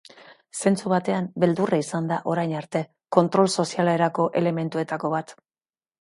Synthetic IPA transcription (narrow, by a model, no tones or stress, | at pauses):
se̞nt͡suβat̪e̞ambe̞ld̪uraisand̪aʔo̞ɾajnaɾt̪e̞ | ko̞nt̪ɾo̞lso̞sialeɾako̞ʔe̞le̞me̞nt̪ue̞t̪ako̞βat̪